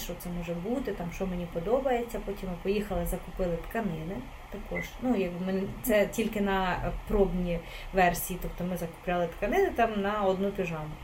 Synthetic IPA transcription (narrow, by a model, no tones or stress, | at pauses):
ʃt͡ʃɔt̪sɛmɔʒɛbut̪ɪt̪ɑmʃt͡ʃɔmenʲipɔd̪ɔbɐjet͡sʲːɐpɔtʲimɪpɔjixɐlˠɪzɐkʊpɪlˠɪt̪kɐnɪnɪ | t̪ɐkɔʒnujɐɡ̚bɪmnt̪sɛtʲilʲkɪnɐpɾɔbnʲiʋɛrsʲijit̪ɔpt̪ɔmɪzɐkʊ̥plʲalˠɪt̪kɐnɪnɪt̪ɑmnɐɔd̪nupʲiʒɑmʊ